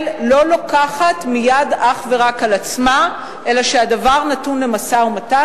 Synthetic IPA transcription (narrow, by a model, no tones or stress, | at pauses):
llo̞lokaχatmijadaχve̞ʁakalat͡sma | ʔe̞laʃeadavaʁnatunle̞masaumata